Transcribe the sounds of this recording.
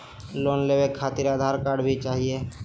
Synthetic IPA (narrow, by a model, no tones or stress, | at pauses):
loːnleːwekʰːaːt̪ɪɾaːd̪ʱaːɾkaːɖbʱit͡ʃaːɦie